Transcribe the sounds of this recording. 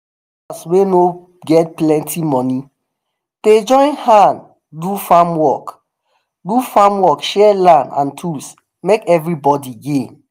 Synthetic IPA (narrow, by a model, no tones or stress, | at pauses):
asweno | ɡɛt̚plɛ̃ntʰimɔ̃ni | ded͡ʒɔ̃ɪ̃nhãn | dufamwɔk | dufamwɔkʃɛlãndã̰ntʰus | mekɛvɹibɔdiɡẽn